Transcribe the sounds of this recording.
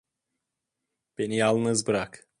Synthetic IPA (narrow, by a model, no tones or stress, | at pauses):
b̥e̞nijalˠnɯzbɯɾak